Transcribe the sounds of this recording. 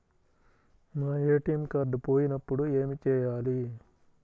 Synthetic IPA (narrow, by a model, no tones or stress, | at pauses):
naːeːʈimkɐɾɖpo̞ːjinɐpːuɽue̞ːmit͡ʃɛːjaːli